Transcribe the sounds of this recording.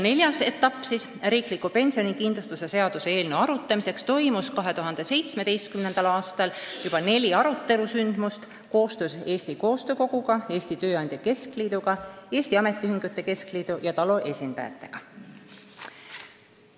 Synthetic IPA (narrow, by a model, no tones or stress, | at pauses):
ne̞lʲjɑse̞t̪ːˑɑpˑːsis | ɾiːklikːupe̞nʲsio̞nikind̪lust̪use̞se̞ɑd̪̥use̞e̞ːlneɑɾut̪ːˑɑmise̞kst̪o̞jmuskɑɦe̞t̪uɦɑnd̪̥e̞se̞jt̪sme̞d̪e̞jst̪̚kymne̞nd̪̥ɑlɑːst̪ɑljub̥ɑne̞lʲiɑɾut̪ːe̞lusynd̪̥must̪ | ko̞ːst̪use̞ːst̪iko̞ːst̪ø̞ːko̞ɡ̥uɡ̥ɑe̞ːst̪it̪ø̞ːɑnd̥̪jɑke̞skliːd̪̥uɡ̥ɑe̞ːst̪iɑme̞t̪ːˑiyɦiŋɡ̥ut̪ːˑe̞ke̞skliːd̪̥ujɑt̪ɑlo̞ʔe̞sʲind̪ɑ̰jɑ̰t̪ːˑe̞̰ɡ̥ɑ